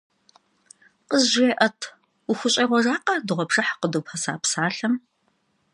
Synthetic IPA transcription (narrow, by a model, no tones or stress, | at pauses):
qəzʒeːʔɐtʰ | ʊxʷʊɕʼɐːʁʷɔraːqɐdɨʁʷɔpʂɐħqəduːpʰɐsa̰ːpsaːɬɐm